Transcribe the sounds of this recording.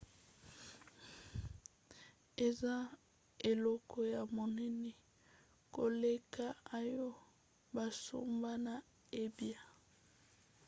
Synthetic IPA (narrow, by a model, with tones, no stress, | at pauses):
e˨za˦ | e˨lɔ˦kɔ˦ja˨mo˨nɛ˦ni˦ | ko˨le˦ka˦a˨jɔ˦ | ba˨so̰˦mba˦na˨ | e˦bja˦